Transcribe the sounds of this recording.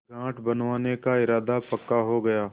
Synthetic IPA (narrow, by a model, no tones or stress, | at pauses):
ɡãːʈbɐnʋaːnekaɪɾaːd̪apɐkːaɦoɡɐjaː